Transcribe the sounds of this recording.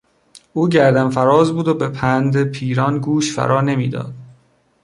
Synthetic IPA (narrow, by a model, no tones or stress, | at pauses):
ʔuːɟæɾd̪ænfæɾɒːzbuːd̪obe̞pʰænd̪epʰiːɾɒnɡuːʃfæ̰ɾʔɒːne̞miːd̪ɒ̰ːd̪̥